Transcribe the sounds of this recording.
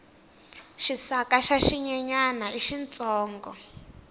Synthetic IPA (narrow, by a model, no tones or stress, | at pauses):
ʃisakaʃaʃiɲɛɲanaiʃint͡sʼɔːŋɡɔ